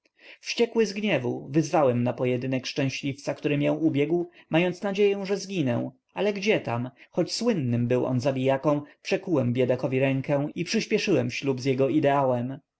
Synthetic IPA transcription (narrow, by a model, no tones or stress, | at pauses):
fɕt͡ɕɛkwɘzɡɲɛvuvɘzvawɛmnapɔjɛd̪ɘnɛkʂt͡ʂɛ̃ɕlʲift̪sakt̪uɾɘmʲjɛw̃ubʲjɛɡwmajɔnt̪snad͡ʑejɛ̃w̃ʐɛzɡʲinɛ̰w̃ | alɛɡd͡ʑɛt̪amxɔt͡ɕswɘnːɘmbɘwʔɔ̰nzabʲijakɔ̃w̃pʂɛkuwɛmbʲjɛd̪akɔvʲiɾɛŋkɛw̃ipʂɘɕpʲjɛʂɘwɛmɕlubzjɛɡɔid̪ɛawɛm